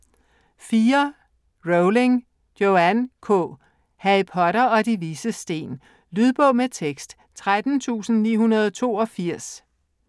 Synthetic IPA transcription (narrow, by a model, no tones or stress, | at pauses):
fiːɐ | ʁoʊle̝ŋ̥ | joænkʰɔ̰ | hæipʰɒ̽ɾɐɒ̽d̥iʋisəsd̥e̝̰ːn | lyð̞ˠb̥ɔ̽ʊmet͡sʰeɡ̥sd̥ | t͡sʰʁad̥n̩t͡sʰṵːsn̩nḭːɦunɐð̞ˠt͡sʰo̝̰ːɒ̽fiɐ̰s